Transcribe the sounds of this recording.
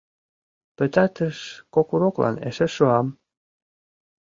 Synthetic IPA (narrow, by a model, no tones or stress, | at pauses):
pɘ̆t̪ɑt̪əʃkokuɾoklɑ̰nḛʃĕʃoɑm